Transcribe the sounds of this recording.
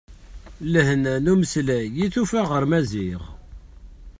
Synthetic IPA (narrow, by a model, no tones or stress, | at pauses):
ləhnænuməslæjiθufæʁəɾmæziʁ